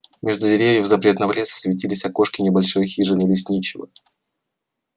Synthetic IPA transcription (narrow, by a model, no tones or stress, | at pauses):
mʲeʐd̪ʊdʲɪɾʲevʲjɪvzɐpɾʲe̞t̪nəmlʲesə̥svʲɪtʲilʲɪsʲɐko̞ʂkʲɪnʲɪbɐlʲʂojxʲiʐɨnəlʲɪsʲnʲit͡ɕɪvə̰